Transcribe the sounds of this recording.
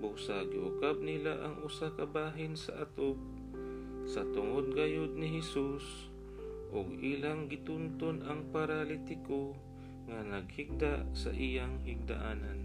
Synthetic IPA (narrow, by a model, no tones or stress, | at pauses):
busaɡɪʔʊkab̚nɪlaʔɐŋʔʊsakɐbaːɦɪnsɐʔat̪op̚ | sɐt̪ʊŋod̪̚ɡajod̪̚nɪɦɛsus | ʔoɡʔiːlaŋɡɪt̪unt̪onɐŋpaɾalit̪ɪko | ŋanɐɡ̚hiɡ̚d̪aʔsɐ̰ʔijaŋhɪɡ̚d̪a̰ʔaːnan